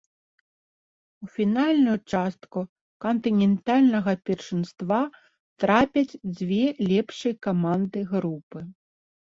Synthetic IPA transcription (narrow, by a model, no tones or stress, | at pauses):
ufʲinalʲnujut͡ʂast̪ku | kɐnt̪ɨnʲɛnt̪alʲnɐɣɐpʲɛrʂɨnst̪va | t̪ɾapʲɐt͡sʲd͡zʲvʲɛlʲɛpʂɨjkamand̪ɨɣɾupɨ